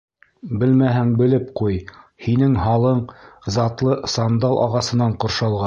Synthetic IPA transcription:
bɘlmæɦæŋbɘ̆lɘpqujhinɘŋɦɑlˠɤɴzɑt̪lˠɤsɑnd̪ɑlˠʔɑ̰ʁɑsɤ̆nɑɴqŏɾʃɑlˠʁɑ

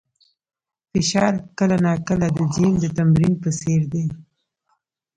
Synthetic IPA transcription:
fɪʃɑɾkəlanakəlad̪əd͡ʒend̪ət̪amɾinpəseɾd̪e

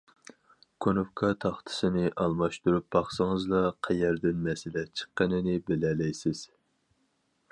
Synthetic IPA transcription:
kʰonofkʰɑt̪ʰɑχt̪ʰɨ̥sɨnɪʔɑlˠmɑʃt̪uɾup̚bɑχsɨŋɨzlˠɑqʰɛjɛɾd̪ɪnmɛsɪlɛt͡ʃʰə̥qːənɪnɪbɪlɛlɛjsɪz̥

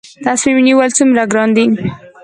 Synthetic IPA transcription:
t̪asmimniwalt͡sumɾaɡɾɑnd̪i

